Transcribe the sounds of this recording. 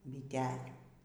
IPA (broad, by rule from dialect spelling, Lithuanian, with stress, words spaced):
bʲɪˈtʲæːlʲuː